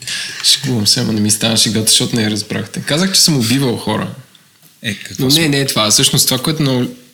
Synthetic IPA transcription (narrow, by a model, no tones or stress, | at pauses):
ʃɛ̥ɡubɐmsɛmonɛmist̪anəʃiɡat̪ʊ̥ʃt̪ɔt̪ʊnɛɛɾɐzbɾa̰xt̪ɛkazəxt͡ʃɛ̥səmʊbivɐlˠxɔɾə̰ | ɛnonɛnɛt̪vasɤʃnost̪ovakoɛt̪ʊnɐʊl